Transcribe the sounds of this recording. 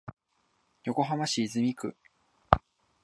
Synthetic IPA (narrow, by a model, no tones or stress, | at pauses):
jo̞ko̞ɦamaɕiːzɨmʲikɯ̟